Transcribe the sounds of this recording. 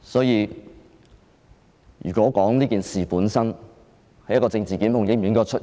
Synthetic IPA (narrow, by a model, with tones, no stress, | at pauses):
sɔː˨˥jiː˨˧ | jy̰ː˨kɔː˨˥kɔː˨˥ŋliː˥kiː˨nsiː˨puː˨˥nsɐ˥n | hɐ˨˩jɐ˥kɔː˧t͡sɪ˧ŋt͡siː˨kiː˨˥nmʊ˨˩ŋjɪ˥m˨i˨˥ŋkɔː˧t͡ʃʰɵ˥t̚